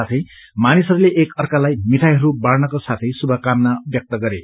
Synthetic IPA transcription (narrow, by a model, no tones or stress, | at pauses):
at̪ʰʌj | manisʌɾuleʔekʌrkalajmiʈ̪ʰajɦʌɾubaɽnʌkosat̪ʰʌjsubʱʌkamnabjʌk̚t̪ʌɡʌɾe